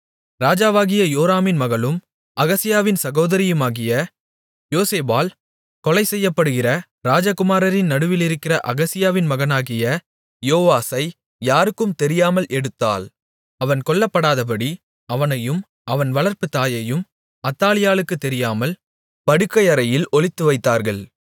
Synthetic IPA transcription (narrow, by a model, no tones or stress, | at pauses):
ɾaːd͡ʒaːʋaːɣɪjɐjoːɾaːmɪnmɐɣɐɭɯm | ʔɐɣɐsɪjaːʋɪnsɐɣoːðɐɾɪjɯmaːɣɪjɐ | joːseːbaːl | kɔlɐɪsɛjːɐpːɐɽɯɣɪrɐ | ɾaːd͡ʒɐkɯmaːɾɐɾɪnnɐɽɯʋɪlɪɾɯkːɪrɐʔɐɣɐsɪjaːʋɪnmɐɣɐnaːɣɪjɐ | joːʋaːsɐɪ | jaːɾɯkːɯmt̪ɛɾɪjaːmɐlʔɛɽɯt̪ːa̰ːl | ɐʋɐnkɔɭːɐpːɐɽaːðɐp̬ɐɽi | ɐʋɐnɐjɯm | ɐʋɐnʋɐɭɐɾpɯt̪aːjɐjɯm | ɐt̪ːaːlɪjaːlɯkːɯt̪ːɛɾɪjaːmɐl | pɐɽɯkːɐɪɐɾɐjɪlɔɭɪt̪ːɯʋɐɪt̪ːaːɾɣɐɭ